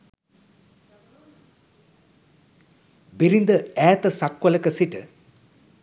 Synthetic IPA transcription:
biɾind̪əæːt̪əsakʋələkəsiʈə

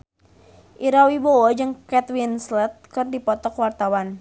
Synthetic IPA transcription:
ʔiɾawibowɔd͡ʒɨŋkɛt̪winslɛt̪̚kərdipɔt̪ɔkwart̪awan

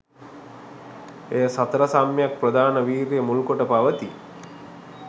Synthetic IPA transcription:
ejəsat̪əɾəsamjjak̚prəd̪aːnəʋiːɾjəmulkoʈəpaʋət̪i

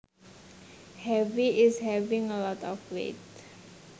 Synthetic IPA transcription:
hɛviɪshɛvɪ̃ŋəlɔtɔfwḛt̪̚

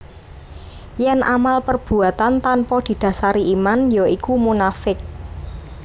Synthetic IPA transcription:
jɛnʔamalpərb̥ṳat̪ant̪anpɔd̪̥i̤d̪̥ä̤saɾiimanjoikumunafɪk̚

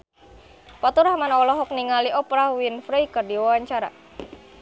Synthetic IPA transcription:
pat̪uɾahmanɔlɔɦɔk̚niŋaliʔɔpɾawinfɾɛjkərdiwawaɲt͡ʃaɾa̰

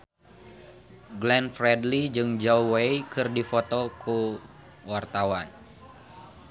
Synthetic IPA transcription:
ɡlɛnfrɛdlid͡ʒɨŋd͡ʒouwejkɨrdifɔt̪ɔkʰu | wart̪awan

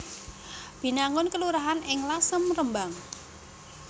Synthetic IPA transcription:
b̥i̤naŋʊnkəluɾaɦanɪŋlasəmrəmbaŋ

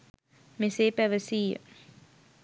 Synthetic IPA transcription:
meseːpæʋəsiːjə̰

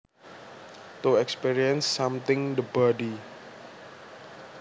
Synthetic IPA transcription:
t̪uɛkspiɾiə̃nsːãmt̪ɪ̃ŋdəbədi

